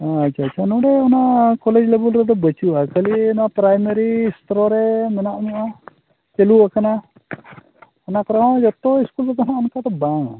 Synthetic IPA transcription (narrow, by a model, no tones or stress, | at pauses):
aatːt͡ʃʰatːt͡ʃʰanɔɽɛɔnakɔlɛd͡ʒlɛbulɾɛd̪ɔbət͡ʃuʔakəliɔnɔapɾajmeɾist̪ɾɔɾɛmɛnaʔɲuʔa | t͡ʃeluakana | ɔnakɔɾɔɦɔ̃d͡ʒɔt̪ɔiskulɾɛd̪ɔnaɔnkad̪ɔbaŋ̰